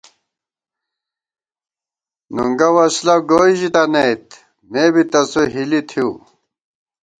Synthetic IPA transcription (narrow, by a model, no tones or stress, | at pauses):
nṵŋɡɐwɐslɐɡoːiʑit̪ɐneit̪ | meːbit̪ɐsoɦilit̪ʰiu